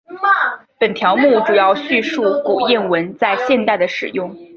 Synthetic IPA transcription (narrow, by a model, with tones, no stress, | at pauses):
pə˨˩nt̪ʰjɑ˧˥ʊmu˥˩ʈ͡ʂu˨˩jɑ˥˧ʊɕy˥˧ʂu˥˩ku˨˩jɛ˥˩nwə˧˥nt͡sa˥˧ɪɕjɛ˥˧nt̪a˥˩ɪd̪ə˩ʂɻ̩˨˩jʊ˥˩ŋ